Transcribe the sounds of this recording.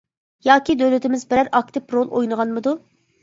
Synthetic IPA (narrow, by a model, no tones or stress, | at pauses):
jɑːkʲid̪øwlɪt̪ɪmɪzbɾæɾɑk̚t̪ɪpɾolˠʔojnɨʁɑnmɨd̪u